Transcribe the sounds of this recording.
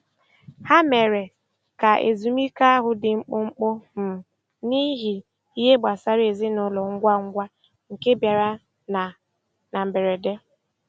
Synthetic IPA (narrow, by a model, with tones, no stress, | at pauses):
ha˦me˨ɾe˨ | ka˨ʔḛ˨zu˨mi˦ka˦a˦ɦʊ˨dɪ˨ŋ͡m̩˦k͡pʊ˦ŋ͡m̩˦k͡po˦m̩˨ | ni˦ɦi˨ | i˦ɦe˦ɡ͡ba˨sa˦ɾe˨zi˦nʊ˨lɔ˨ŋ̩˦ɡʷa˦ŋ̩˦ɡʷa˦ | ŋ̩˨ke˦bja˨ɾa˦ | n˨ | na˨m̩˨be˨ɾe˨de˦